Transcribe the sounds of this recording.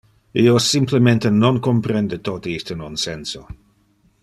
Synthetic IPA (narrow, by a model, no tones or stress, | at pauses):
iosɪmpʰləmɛ̃ntənɔnkɔmpɾɛndətʰɔtiistənɔnsɛnso